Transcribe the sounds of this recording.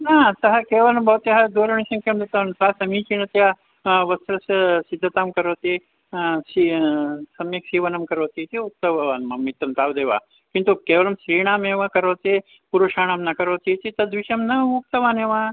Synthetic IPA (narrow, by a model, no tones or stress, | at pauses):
naːsɐɦɐkeːʋɐlɐmbʱɐʋt̪jɐɦɐd̪oːɾɐɳisɐmkɐmd̪ɐt̪ɐʋɐnmsɐɦɐsɐmiːt͡ʃiɳɐt̪ja | ʋɐsɾɐsɐsid̪ʱːɐt̪aːmkɐɾoːt̪i | sisɐmjɐksiːʋɐnɐmkɐɾoːt̪it̪iuk̚t̪ɐʋaːnmɐmit̪ɾɐmt̪aːʋd̪eːʋa̰ː | kint̪ukeːʋɐlɐmʃɾiːɳaːmeːʋɐkɐɾoːt̪e | puɾuʂaːɳɐmnɐkɐɾoːt̪it̪it̪ɐd̪ʋiʃɐmnɐuk̚t̪ɐʋaːneːʋaː